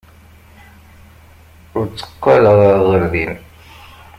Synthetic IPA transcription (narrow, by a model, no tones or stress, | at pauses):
ʊɾt͡sːə̥qːɑlʁaʁəɾðin